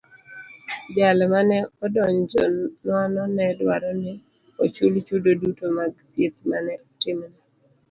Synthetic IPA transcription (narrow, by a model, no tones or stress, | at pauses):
balmanɛɔdɔɲd͡ʒɔnwanɔnɛdwaɾɔnɪ | ot͡ʃult͡ʃudodutomaɡt̪jet̪manɛɔtɪmnɛ